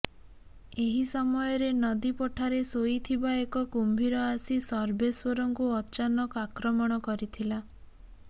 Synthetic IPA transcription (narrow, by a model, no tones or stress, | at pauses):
eɦisɔmɔjɔɾenɔd̪ipɔʈʰaɾesoit̪ʰibaekɔkumbʱiɾɔasisɔɾbeswɔɾɔŋkuɔt͡ʃanɔkɔakɾɔmɔɽ̃ɔkɔɾit̪ʰila